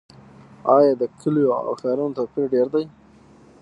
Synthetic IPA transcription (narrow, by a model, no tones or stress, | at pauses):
ɑjɑd̪əkʰəljoa̰wxɑɾanot̪opiɾɖeɾd̪aj